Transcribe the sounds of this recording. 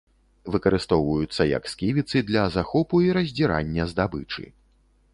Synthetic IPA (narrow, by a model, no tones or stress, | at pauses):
vɨkɐɾɨst̪ɔwvɐjut̪sːɐjɐ̰kskʲivʲit̪sɨd̪lʲɐzaxɔpuiɾɐzʲd͡zʲiɾa̰nʲːɐzd̪abɨt͡ʂɨ̰